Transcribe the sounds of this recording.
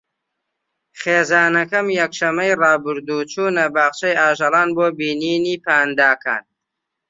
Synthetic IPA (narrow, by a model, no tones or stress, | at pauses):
χeːzaːnɐkɐmjɛkʃɐmːɐjrɑːbɨɾd̪uːt͡ʃuːnɐbaːχt͡ʃɐjaːʒɑlˠɑːnboːbiːniːniːpaːnd̪aːkʰa̰ːn